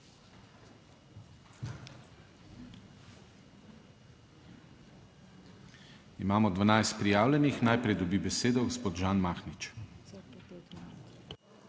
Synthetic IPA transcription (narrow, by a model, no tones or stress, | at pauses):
imaːmɔd̪ʋanajst̪̚pɾijaːwlʲɛnixnajpɾɛjd̪ɔbiːbɛseːd̪ɔɡɔspoːt̪ʒaːnmaːxnit͡ʃ